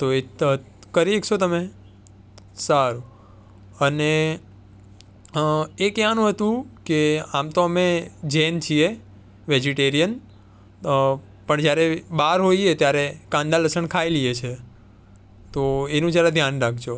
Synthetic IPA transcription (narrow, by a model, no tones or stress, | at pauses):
t̪oe | kəɾekt͡ʃʰot̪əme | saɾũ | əne | ekjanũɦət̪ũkeamt̪oəmed͡ʒent͡ʃʰie | ʋed͡ʒiʈeɾijən | pəɳd͡ʒjaɾebaɾɦoiet̪jaɾekãnd̪aləsəɳkʰailiet͡ʃʰe | t̪oenũd͡ʒjaɾed̪ʱjanɾak̚ʰd͡ʒo